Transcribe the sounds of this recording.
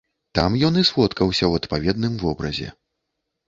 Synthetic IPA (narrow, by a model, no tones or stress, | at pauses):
t̪a̰mjɔnɨsvɔt̪kɐwsʲɐwɐt̪pavʲɛd̪nɨmvɔbɾɐ̰zʲɛ̰